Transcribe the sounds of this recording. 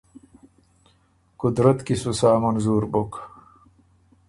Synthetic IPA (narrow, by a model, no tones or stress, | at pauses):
kud̪ɾɐt̪kisusaːmɐnzuːɾbok